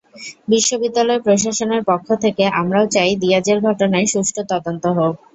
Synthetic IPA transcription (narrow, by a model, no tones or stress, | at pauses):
biʃːobid̪ːalɔepɾoʃ̬aʃoneɾpokʰːot̪ʰekeamɾaot͡ɕajd̪iad͡ʑeɾɡʱɔʈonaeʃuʃʈʰot̪ɔd̪ont̪oɦok̚